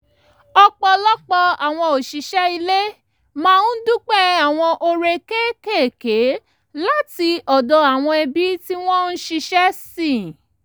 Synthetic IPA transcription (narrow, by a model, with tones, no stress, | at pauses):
ɔ˧k͡pɔ˧lɔ˦k͡pɔ˧a˨w̃ɔ̃˧o˨ʃi˨˧ʃɛ˦i˧le˦ | mãː˦˧nũ˦dũ˦k͡pɛ˦a˦˨w̃ɔ̃˧ʔo˧ɾe˧ke˦ke˦˨ke˨˦ | la˦ti˧ɔ˨dɔ˧a˨w̃ɔ̃˧ɛ˧bi˦ti˦w̃ɔ̃˦n̩˦ʃi˧ʃɛ˦sĩ˦˨